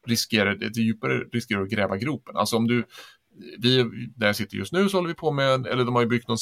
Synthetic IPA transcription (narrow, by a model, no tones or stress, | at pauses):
ɾɪskeːɾaɖɛd̪ɛjʉ̟ːpaɾə̰ɾɪskeːɾaɾɔɡɾɛːvaɡɾuːpənʔa̰lsɔɔmd̪ɵ | vɪnæɾjɑsɪt̪ːə̰ɾjɵ̰st̪nʉ̟ːsɔhɔlːəvɪpʰɔmɛɛ̰lːəɖɔmhaɾjɵbʏk̚t̪nɔns